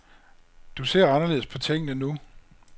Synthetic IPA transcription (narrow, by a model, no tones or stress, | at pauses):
d̥use̝ɐ̰ɑ̈nɐle̝ð̩̰ˠspʰɒ̽t͡sʰeŋ̰nənu